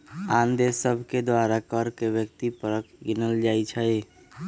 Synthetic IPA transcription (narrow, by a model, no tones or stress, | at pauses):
and̪esəbʱked̪waɾakəɾkebjək̚t̪ipəɾəkʰɡinəld͡ʒajt͡ʃʰəj